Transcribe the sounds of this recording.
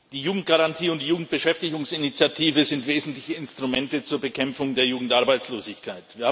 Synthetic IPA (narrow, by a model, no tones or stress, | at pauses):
d̥iːjuːɡŋ̩t̚ɡ̥aʁantʰiːʊntd̥ijuːɡŋ̩t̚b̥əʃɛftɪɡʊŋsɪnit͡sjatʰiːvəzɪntv̥eːzn̩tlɪçəɪnstʁ̥umɛntət͡suːɐbəkʰɛmfʊŋdeːɐjuːɡŋ̩tʔaɐbaɪt͡sloːzɪçkʰaɪtv̥iːɐha